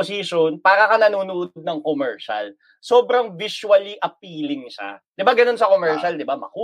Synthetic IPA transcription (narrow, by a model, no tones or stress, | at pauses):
osiʃonpaːɾɐkɐnɐnuːnʊʔod̪̚nɐŋkomɛɹʃɐ̰l | soːbɾɐŋvɪʃuɐliʔɐp̚iːlɪŋʃa̰d̪̥ɪbaɡɐno̞nsɐkomɛɹʃɐld̪ɪbamɐ̰kuː